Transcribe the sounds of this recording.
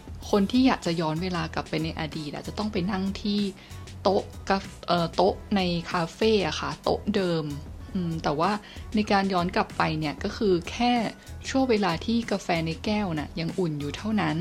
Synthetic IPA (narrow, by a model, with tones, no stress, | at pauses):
kʰo˧nt̪ʰiː˥˩jaː˨˩k̚t͡ɕa˨˩ʔjɔː˦˥nweː˧laː˧kla˨˩pːa˧jna˧jʔaː˧diː˨˩a̰ː˨˩t͡ɕa˨˩t̪ɔ˥˩ŋpa˧jna˥˩ŋt̪ʰiː˥˩ | t̪o˦˥ʔka˧ʔɤː˨˩t̪o˦˥ʔ̚na˧jkʰaː˧feː˥˩ʔa˨˩xʰa˦˥˩t̪o̰˦˥ʔ̚dɤː˧mʔɯː˧mt̪ɛː˨˩waː˥˩ | na˧jkaː˧njɔː˦˥nkla˨˩pːa˧jni˥˩ɐkɔː˥˩kʰɯː˧kʰɛː˥˩ | t͡ɕʰu˥˩əweː˧laː˧t̪ʰiː˥˩ka˧fɛː˧na˧jkɛː˥˩wni˦˥˩ja˧ŋʔu˨˩njuː˨˩t̪ʰa˥˩wna˦˥n